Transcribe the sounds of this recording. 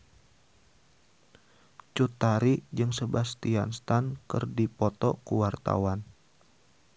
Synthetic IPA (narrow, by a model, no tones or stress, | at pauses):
t͡ʃut̪aɾid͡ʒɨŋsəbast̪ianst̪ankɨ̰rdipɔt̪ɔ̰kuwart̪a̰wan